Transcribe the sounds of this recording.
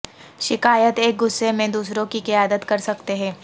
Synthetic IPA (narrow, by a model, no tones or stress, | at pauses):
ʃɪkaːjət̪eːk̚ɡʊsːemẽd̪uːsɾõkikɪjaːd̪ət̪kɐɾsɐk̚t̪eɦɛ̃ː